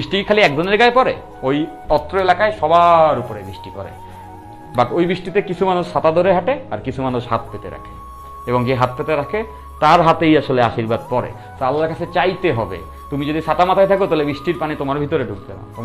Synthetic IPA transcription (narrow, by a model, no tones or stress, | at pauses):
biʃʈikʰaliɛk̚d͡ʑoneɾɡaepɔɾḛ | oj | ɔt̪ːɾoelakaeʃɔbaɾupoɾebɾiʃʈikɔ̰ɾḛ | baʈojbɾiʃʈit̪ekit͡ɕʰumanuʃːat̪ad̪ʱoɾeɦaʈeaɾkit͡ɕʰumanuʃɦat̪̚pet̪ḛɾa̰kʰe̥ | eboŋd͡ʑeɦat̪̚pet̪eɾakʰe | t̪aɾɦat̪ejaʃoleaʃiɾbad̪̚pɔɾḛ | salːaɾkat͡ɕʰet͡ɕajt̪eɦɔbḛ | t̪umid͡ʑod̪iʃat̪amat̪ʰajt̪ʰakot̪aɦlebiʃʈiɾpanit̪omaɾbʱit̪oɾeɖʱuk̚t̪ena̰t̪o